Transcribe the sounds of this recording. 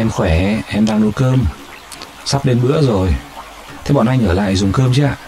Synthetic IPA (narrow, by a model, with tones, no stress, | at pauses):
ʔɛ˧mxwɛ˧˩ʔɛ˧mɗaː˧ŋɗo˧˦jkəː˧m | sa˦˥p̚ɗe˧nɓɨ̰˧˥əzo˨˩j | t̪ʰɛ˧wɓɔ̰˧˨nʔa˧jŋ̟ʔəː˧˩la̰ː˧˨jzʊ˨˩ŋ͡mkəː˧mt͡ɕaː˧˨